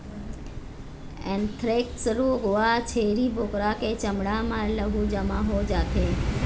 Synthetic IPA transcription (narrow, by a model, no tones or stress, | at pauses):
ɛ̃nt̪ʰɾeːk̚sɾuɡʊat͡ʃʰeːɾiːbʱoːkɾaket͡ʃəmɽamãləɡud͡ʒəmãɦod͡ʒaːt̪ʰeː